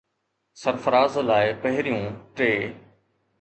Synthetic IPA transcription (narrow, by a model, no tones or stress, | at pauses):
səɾfəɾaːzlaːɪpɐɦɪɾijũːʈeː